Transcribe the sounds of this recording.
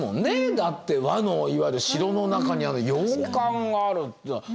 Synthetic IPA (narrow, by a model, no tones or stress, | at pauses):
mõ̞̰nːe̞d̪at̪ːe̞βano̞iβaiɾɯ̟ɕiɾo̞no̞nakaɲ̟iano̞jo̞ːkãŋɡaːɾɯ̟t̪ː